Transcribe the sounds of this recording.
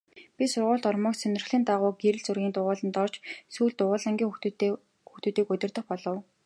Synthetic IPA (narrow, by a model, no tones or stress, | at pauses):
pʲisʊrʁʊːɮt̪ɔrmɞːksɵnʲɪ̆rχɮɘ̆nt̪aʁʊːɡeɾɘ̆ɮt͡sɵrɣʲiːnt̪ʊʁʊːɮə̆nt̪ɔrt͡ɕsuːɮt̪ʊʁʊːɮăŋɡʲiːŋx | xuxt̪uːt̪iːkɵt̪ʲɪ̆rt̪ə̆χpɔɮɞ̆w